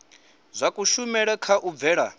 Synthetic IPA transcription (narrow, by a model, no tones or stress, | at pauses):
zʷakʼuʃumɛɺɛkʰaʔub̪vɛːɺa